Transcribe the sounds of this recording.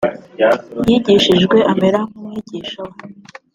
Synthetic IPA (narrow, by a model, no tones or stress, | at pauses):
jiɟiʃiʒɡwe̞ʔambeɾamumŋiɟiʃo